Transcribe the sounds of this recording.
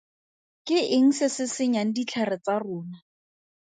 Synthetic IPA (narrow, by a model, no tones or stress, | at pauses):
kɪʔɪŋ̩sɪsɪsɪɲaŋ̩dit͡ɬʰarɪt͡sarʊːna